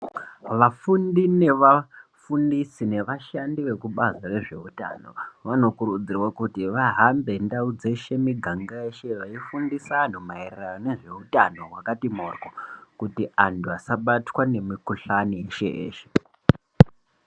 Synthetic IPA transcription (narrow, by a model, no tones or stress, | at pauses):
ʋafundine̞ʋafundisine̞ʋaʃandiʋe̞kuɓazare̞ʐe̞̰uta̰no̞̰ʋano̞kuɾud͡zirwakutiʋaɦambe̞ndaud͡ze̞ʃe̞miɡʱaŋɡaeʃe̞ʋaifundisan̤omairrajone̞ʐe̞utano̞ɦwakatimo̰rkokutiantʰuasaɓatwane̞mikuɬanieʃeḛːʃe̥